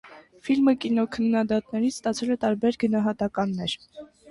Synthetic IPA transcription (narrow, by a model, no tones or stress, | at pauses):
filməkinɔkʰənːɑd̪ɑt̪nɛɾit͡sʰst̪ɑt͡sʰɛlɛt̪ɑɾbɛɾɡənɑɦɑt̪ɑkɑnːɛɾ